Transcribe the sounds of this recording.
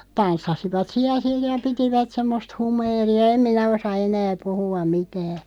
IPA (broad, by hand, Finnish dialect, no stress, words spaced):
tɑnsːɑsiʋɑt siæl̆ sij jɑ pitiʋæt semːost humeːriɑ em minæ osɑ enæː puhuɑ mitæː